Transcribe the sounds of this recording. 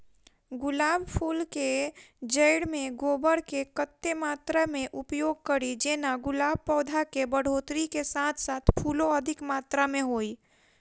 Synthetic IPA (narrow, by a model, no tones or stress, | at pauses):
ɡʊlaːbpʰuːlked͡ʒəɪɽmẽɡoːbəɽkekət̪ːemaːt̪ɾamẽʔʊpjoːɡ̚kəɾid͡ʒeːnaɡʊlaːb̚pɔːd̪ʱakebəɽ̤oːt̪ɾikesaːt̪ʰsaːt̪ʰpʰuːloəd̪ʱɪkmaːt̪ɾamẽɦoːi